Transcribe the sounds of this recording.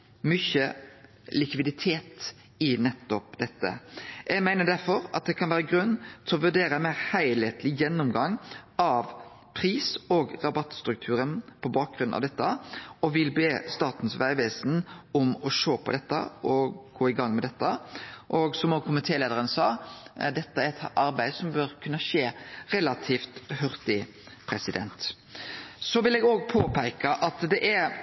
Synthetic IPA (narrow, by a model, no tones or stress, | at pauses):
mʏçə | lɪkʋɪd̪ɪt̪ʰeːt̪ | ɪnɛt̪ːɔpd̪ɛt̪ːə̰jɛɡmæɪnəd̪æɾfɔɾɑ̰t̪̚d̪ɛkʰɑnʋæːɾəɡɾʉnːt̪ʰɪɔʋʉɖeːɾəmæɪɾhæɪleːt̪ʰlɪjɛnːʊmɡɑŋːɑʋ | pʰɾiːsɔɡʁɑbɑt̪ːst̪ɾʉk̚t̪ʰʉːɾənpʰɔbɑːk̚ɡɾʉnɑ̰ʋd̪ɛt̪ːəɔʋɪlbeːst̪ɑːt̪n̩sʋæɪʋeːsnɔmɔʃoːpʰɔ̰d̪ɛt̪ːə̰ʔɔɡ̥oːɪɡɑŋːmɛd̪ɛt̪ːəʔɔɡsɔmɔːkʰʊmɪt̪ʰeːleːd̪əɾənsɑːd̪ɛt̪ːəæɾɛt̪ʰɑɾbæɪd̪sɔmbøɾkʰʉnːəʂeːɾɛlɑt̪ʰiːft̪hœɾt̪ɪ | pʰɾɛsɪd̪ɛ̰nt̪ | sɔʋɪlɛːɡoːɡ̚pʰoːpʰæɪkɑʔɑt̪d̪ɛʔæɾ